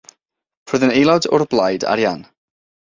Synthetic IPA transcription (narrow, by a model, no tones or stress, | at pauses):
rʊðənejlˠɔdɔ̰rblˠajda̰ɾjan